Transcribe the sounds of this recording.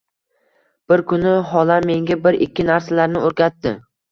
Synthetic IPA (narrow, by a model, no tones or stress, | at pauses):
b̥ɪɾkʰʊnɪɦɒlanme̞ŋɡʲabɪɾɪkʲːɪnaɾsalaɾnɪoɾkʲat̪ːɪ